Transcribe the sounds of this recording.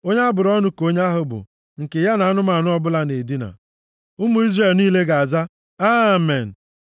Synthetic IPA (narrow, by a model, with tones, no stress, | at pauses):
o˦ɲe˦a˦bʊ˨ɾɔ˦nʊ˦ko˦ɲ˦a˦ɦʊ˦bʊ̰˨ | ŋ̩˨ke˨ja˦na˨a˦nʊ˦ma˨nʊ˦ɔ˦bʊ˦la˦ne˨di˦na̰˨ | ʊ˦mu˨˦i˦zre˨lniː˦le˦ɡa˨a˨za˦ | a˦me˨n̩˨